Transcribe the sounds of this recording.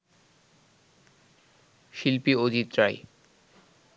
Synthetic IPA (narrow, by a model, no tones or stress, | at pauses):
ʃilpiod̪ʱit̪ɾaj